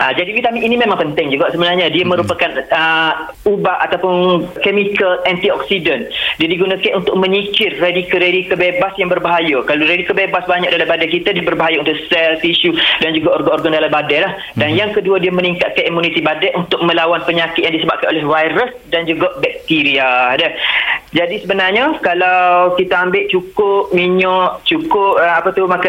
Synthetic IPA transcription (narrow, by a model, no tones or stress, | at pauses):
ʔad͡ʒadiwit̪amiʔiːnimẽmãŋpənt̪ɪŋd͡ʒuɡaʔsəbənarɲadiamə̃ɾupakan | ubaʔat̪awpʊnkemikəlɛnt̪iɔk̚sidəndiadiɡunakanunt̪ʊk̚mə̃ɲikɪrːedikəɾedikəbebasjaŋbərbaɦajakaloɾedikəbebasbaɲak̚dalabadajk̬it̪adiabərbaɦajaunt̪ʊʔsɛlt̪iʃudand͡ʒuɡaɔrɡanɔrɡandalabadalah | danjaŋkəduadiamə̃niŋkat̪̚kanimunit̪ibadɛʔunt̪ʊk̚mə̃lawanpəɲakɪt̪jaŋdisəbap̚kanʔolɛhvajɾəsdand͡ʒuɡaʔbɛk̚t̪iɾiadəhd͡ʒadisəbənarɲəkalawkit̪aambɪʔt͡ʃukʊp̚miɲɔʔt͡ʃukʊp̚apət̪umaka